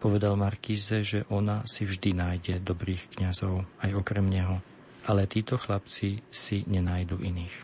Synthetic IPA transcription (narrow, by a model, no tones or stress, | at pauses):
pɔʋɛd̪almaɾkiːzɛʒɛʔɔnasivʒd̪inaːjɟɛd̪ɔbɾiːxkɲazɔʊajɔkɾɛmɲɛɦɔ | ʔalɛt̪iːt̪ɔxlapt͡sisiɲɛnaːjd̪uːʔiniːx